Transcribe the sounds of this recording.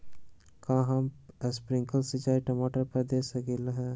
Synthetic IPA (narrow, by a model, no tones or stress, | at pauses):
kãːɦaməspɾɪ̃ŋkəlset͡ʃaːiʈɐmoːʈəɾpɐɾd̪eːsɐkelɦɛ̃ː